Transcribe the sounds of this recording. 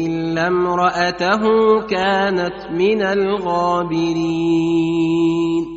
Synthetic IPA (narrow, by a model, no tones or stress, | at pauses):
ʔɪlːamɾˤɑʔat̪aɦʊkaːnat̪mɪnalɣaːbɪɾiː | n